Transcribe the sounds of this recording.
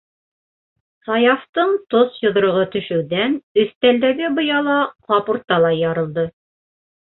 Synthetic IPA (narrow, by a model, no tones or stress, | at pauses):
sɑjɑft̪ɤɴt̪osjŏðɾŏʁɤt̪ɵ̆ʃɘ̆wðænɵ̆θt̪æld̪æɡɘbŏjɑlˠɑqɑpuɾt̪ːɑlˠɑjɑɾɤ̆lˠd̪ɤ